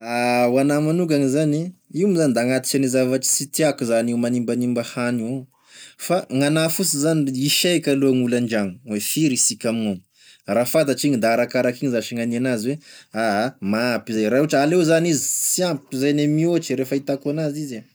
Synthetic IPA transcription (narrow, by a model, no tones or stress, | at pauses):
awanamanuɡaŋizaniiumizanid̪aŋat̪i̥kanizavaʈ͡ʂi̥sit̪iakuzanewmanimbanimbahania | faŋanafusizaniiʃakʲaluaŋulaɳd͡ʒaŋu̥wefiɾisikʲamino | rafad̪aʈ͡ʂiɲind̪aaɾakaɾakiɲizaʃiŋanianaziweaɦamapizajɾauʈ͡ʂalewzanizisiampizajnemiot͡ʃiɾefait̪akuanaziza